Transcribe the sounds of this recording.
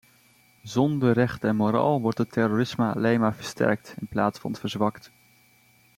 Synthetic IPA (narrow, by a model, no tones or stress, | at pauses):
zɔndərɛχtɛnmoɾa̰ːlˠʋɔɹtətɛɾoːrɪsməɑ̰lejnmaːɹvəɹstɛ̰ɹk̚tɪnplaːtsfɑ̰nətvəɹzʋɑkt